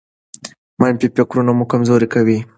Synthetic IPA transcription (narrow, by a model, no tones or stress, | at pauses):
majmpipakɾunamukamzoɾikawi